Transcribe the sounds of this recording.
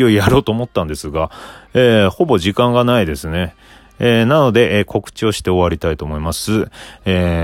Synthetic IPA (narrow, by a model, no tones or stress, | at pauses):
io̞ijaɾo̞ːt̪o̞ːmo̞t̪ːãnd̪e̞sɨɡaeːho̞bo̞ʑikãŋɡanaid̪e̞sɨne̞ | eːnano̞d̪e̞ʔkʰo̞kɯ̟̥t͡ɕio̞ɕi̥t̪e̞o̞βaɾʲit̪ait̪o̞ːmo̞imasɨeː